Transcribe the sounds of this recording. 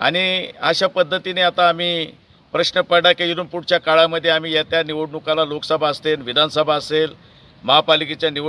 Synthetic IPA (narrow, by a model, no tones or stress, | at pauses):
a̰ɽ̃iaɕapəd̪ʱːət̪ineat̪aːm̤iː | pɾəɕnəpəɽakeuɾəmpuɽt͡ɕjakaɭaməd̪ʱːjeam̤iːjat̪janiʋoɽnukalalokə̥səbʱaəst̪elʋid̪ʱansəbʱaəsel | məɦapaliket͡ɕjaniʋ